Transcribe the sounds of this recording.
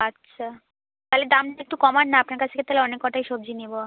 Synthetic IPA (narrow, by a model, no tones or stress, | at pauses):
atːɕʰa | t̪aɦled̪amek̚ʈukɔmanːaapnaɾkat͡ɕʰt̪eket̪aɦleɔnekːɔʈajʃobd͡ʑʱinibo